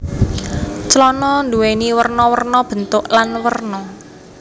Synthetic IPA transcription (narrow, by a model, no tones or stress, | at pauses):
t͡ʃəlɔnɔnd̪uweniwərnɔwərnɔb̥ə̤nt̪ʊʔlanwərnɔ